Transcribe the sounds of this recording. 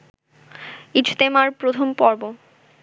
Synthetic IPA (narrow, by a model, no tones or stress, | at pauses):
it͡ɕʰt̪emaɾpɾot̪ʰompɔɾbo